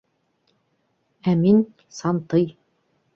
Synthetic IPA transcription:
æmin | sɑnt̪ɤj

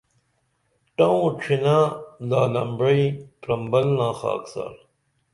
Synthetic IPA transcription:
ʈɐũːʈ͡ʂʰinãːlaːlɐmbɾɐipɾɐmbɐlnãːxa̰ːksa̰ːɾ

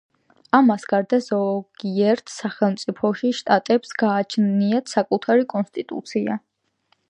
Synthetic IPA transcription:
amasɡaɾd̪azɔɡ̥iɛɾt̪ʰsaχɛlˠmt̪sʼipʰɔʃiʃt̪ʼat̪ʼɛpsɡaːt͡ʃʰniat̪ʰsakʼut̪ʰaɾikʼɔnst̪ʼit̪ʼṵt̪sʰia̰

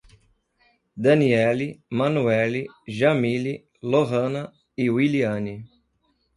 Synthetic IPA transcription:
d̪ɐniɛlimɐ̃nuɛliʒɐmili | loɦɐ̃nɐ | iwiliɐ̃ni

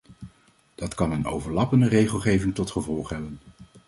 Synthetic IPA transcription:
d̥ɑtkɑnəno̰wvəɹlɑpəndərejχəlˠχejvɪŋtɔtχəvɔlˠχɦɛbən

